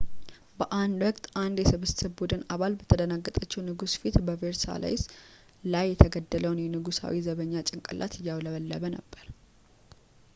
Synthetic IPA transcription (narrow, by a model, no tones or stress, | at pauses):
bəʔand̪wɔkʼt̪ʼʔand̪jɛsɨβɨssɨbbud̪ɨnaβalbət̪ʰəd̪ənaɡːət̪ʼət͡ʃːɛwnɨɡusfit̪bəveɾsa̰la̰js | lajːɛt̪ʰəɡəd̪ːələwnjɛnɨɡusa̰wizəβəɲːat͡ʃʼɪŋkʼə̰lʔa̰t̪ɨjːawləβəlːəβənə̰bːəɾ